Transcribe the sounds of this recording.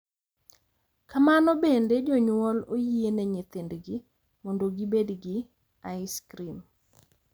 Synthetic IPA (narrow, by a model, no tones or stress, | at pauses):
kamanɔbended͡ʒɔɲwɔlojienɛɲɪt̪ɪndɡɪ | mɔndoɡibedɡɪ | aɪskɾim